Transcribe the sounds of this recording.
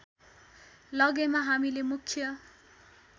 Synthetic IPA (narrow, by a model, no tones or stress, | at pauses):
lʌɡemaɦamilemukʰːjʌ